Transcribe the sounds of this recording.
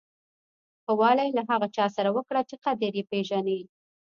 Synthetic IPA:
xəwɑlajlaɦaɣat͡ʃɑsaɾawəkɽat͡ʃeqad̪aɾjepeʒane

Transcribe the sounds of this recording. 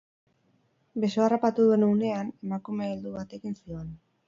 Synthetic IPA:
be̞soarapat̪uðue̞nune̞ane̞makume̞eld̪uβat̪e̞ɣinsio̞n

